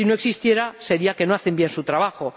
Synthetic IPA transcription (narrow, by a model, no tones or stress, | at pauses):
ino̞e̞ksist̪je̞ɾase̞ɾiake̞noaθembje̞nsut̪ɾaβ̞axo̞